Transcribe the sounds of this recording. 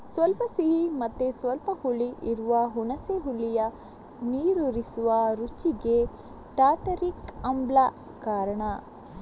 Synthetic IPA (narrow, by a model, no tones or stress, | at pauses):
sʋɐlpɐsiɦimɐt̪ːesʋɐlpɐhuɭiʔiɾuʋɐɦunɐseɦuɭːijɐ | niːɾoɾisuʋɐɾut͡ʃiɡe | ʈaːʈɐɾikɐmbla | kaːɾɐɳɐ